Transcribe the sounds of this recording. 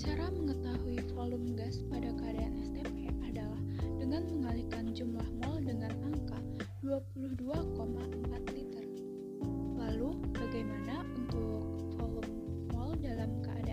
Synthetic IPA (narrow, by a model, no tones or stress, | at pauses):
t͡ʃaɾaməŋət̪aɦuifolumɡaspadakəadaanɛst̪epeʔadalah | dəŋanməŋalikand͡ʒumlahmɔldəŋanaŋka | duapuluhduakomaʔəmpat̪lit̪ər | lalubaɡajmanaunt̪ʊkk̚ | fɔlum | mɔldalamkəa̰da